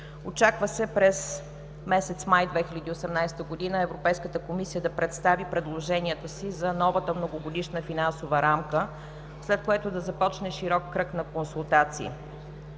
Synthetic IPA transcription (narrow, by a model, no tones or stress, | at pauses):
ot͡ʃakvəsɛpɾɛz | mɛsɛt̪smajd̪vɛxilʲɐd̪iosɛmnajst̪əɡod̪inəɛvɾopɛjskət̪əkomisijəd̪ɐpɾɛt̪st̪avipɾɛd̪lˠoʒɛniət̪əsizɐnɔvət̪əmnoɡoɡod̪iʃnəfinansovəɾamkə | slɛt̪̚koɛt̪od̪ɐzɐpɔt͡ʃnɛʃiɾɔkːɾɤknɐkonsulˠt̪at̪sḭː